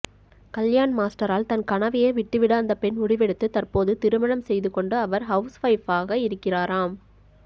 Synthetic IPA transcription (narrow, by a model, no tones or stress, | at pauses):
kɐljaːnmaːsʈɐɾaːlt̪ɐnkɐɳɐʋɪjeːʋɪʈːɯʋɪɽaːnd̪ɐpɛnʊɽɪʋɛɽɯt̪ːɯt̪ɐrpoːðɯt̪ɪɾɯmɐɳɐmsɛjðɯkɔɳɖɯɐʋɐɾɦɐʊsʋɐɪfaːɣɐɪɾɯkːɪraːɾaːm